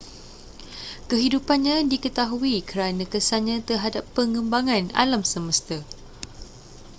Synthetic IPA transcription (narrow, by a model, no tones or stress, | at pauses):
kəɦidupanɲãdikət̪aɦuikəɾanãkəsanɲãt̪ərɦadapːəŋəmbaŋãna̰lamsəməst̪ə